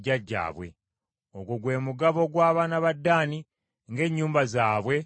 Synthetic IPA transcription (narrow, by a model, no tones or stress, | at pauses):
ɟːaɟːa̰ːβwe̞̰ | o̞ɡwoɡwe̞ːmuɡaβo̞ɡwaːβaːnaβadːaːni | ŋɡe̞ːɲːuːmbazaːβwe̞